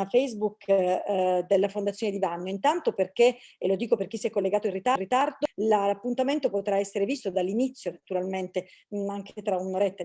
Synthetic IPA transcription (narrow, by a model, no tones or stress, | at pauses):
afɛjzbuk | d̪elːafond̪at̪sːjoːned̪ivanːoint̪ant̪operk̟elod̪iːkoperk̟isːiɛkːolːeɡaːt̪oirːit̪arit̪ard̪olapːunt̪ament̪opot̪ɾaɛsːeɾevist̪od̪alːinit̪sːjonat̪uɾalment̪eaŋkʰt̪ɾaunoɾɛt̪ːa